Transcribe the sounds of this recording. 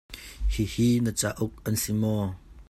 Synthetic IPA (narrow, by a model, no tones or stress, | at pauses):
hihinət͡saʔʊk̚ʔɐnsimɔ